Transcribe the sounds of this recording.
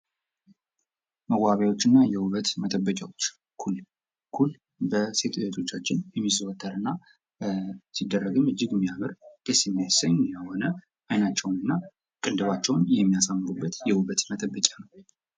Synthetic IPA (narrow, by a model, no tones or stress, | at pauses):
məɡʷaβawo̞t͡ʃːɨnːajɛhuβət̪mət̪ʰʼəbːəkʼawot͡ʃː | kʰul | kʰul | bəse̞t̪ujɛt̪ʰo̞t͡ʃːat͡ʃːɪnjɛmːizəwət̪ʰːəɾɨnːa | sid̪ːərːəɡɨmɨd͡ʒːɪɡmːijamɨɾkesimːijasəɲjəho̞nə | ʔajnat͡ʃːɛwnɨnːa | kʼɨnd̪ɨβat͡ʃːɛwnjɛmːijasamːɨɾubːət̪jɛhuβət̪mət̪ʰʼəbːəkʲʼanəw